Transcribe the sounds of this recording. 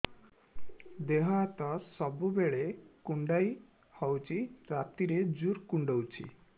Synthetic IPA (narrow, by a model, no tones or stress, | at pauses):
d̪eɦat̪ɔsɔbubeɭekuɳɖaj | hɔwt͡ʃʰiɾat̪iɾed͡ʒuɾkuɳɖowt͡ʃʰḭ